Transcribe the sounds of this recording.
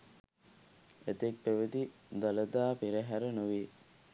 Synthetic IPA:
et̪ek̚peʋəd̪id̪ɐləd̪aːpiɾəɦæɾənuʋi

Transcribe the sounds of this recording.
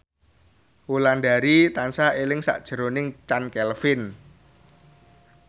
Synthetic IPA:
wulandaɾit̪ansaʔelɪŋsa̰ʔd̥ʒ̥ə̤ɾonɪŋt͡ʃankɛlfɪn

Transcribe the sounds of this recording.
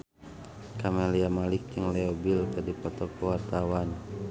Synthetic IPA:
kameliamalikjaŋlɛobilkadipɔt̪ɔkɔwart̪awan

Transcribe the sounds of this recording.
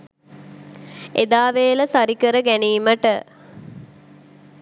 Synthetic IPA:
ed̪aːʋeːləsaɾikəɾəɡæniːməʈə

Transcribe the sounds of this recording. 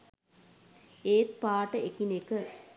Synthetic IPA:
eːt̪̚paːʈəekinekə

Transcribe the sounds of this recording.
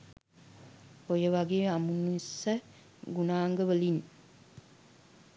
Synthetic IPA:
ojəʋaɡeamunːuisə | ɡunaːŋɡəʋəlin

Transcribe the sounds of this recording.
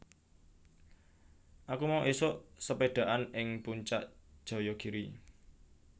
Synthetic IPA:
ʔakumawʔisoʔsəpeɖ̪̥a̤ʔanɪŋpuɲt͡ʃaʔd̥ʒ̥ɔ̤jɔɡ̥iɾi

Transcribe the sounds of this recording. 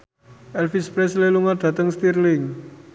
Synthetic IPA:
ʔɛlfispɾɛsleluŋaɖ̪̥ä̤t̪əŋst̪irlɪŋ

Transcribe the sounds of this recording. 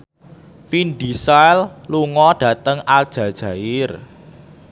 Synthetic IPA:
finɖisalluŋɔɖ̥ä̤t̪əŋald̥ʒ̥ä̤d̥ʒ̥ä̤ɪr

